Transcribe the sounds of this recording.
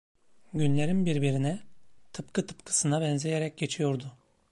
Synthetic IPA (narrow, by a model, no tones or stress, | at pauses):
ɟynlʲe̞ɾinbiɾbiɾinɛt̪ʰɯpkʰɯt̪ʰɯ̥pkʰɯ̥sɯnabɛnzejeɾɛc̚ɟe̞t͡ʃʰijo̞ɾd̪ʊ